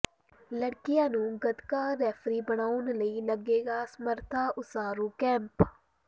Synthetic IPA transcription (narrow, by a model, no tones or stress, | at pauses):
ləɽkɪjãːnũːɡəd̪kaːɾɛːfɾiːbəɽaːʊnləiːləɡeːɡaːsməɾt̪ʰaːʔʊsaːɾuːkɛ̃ːmp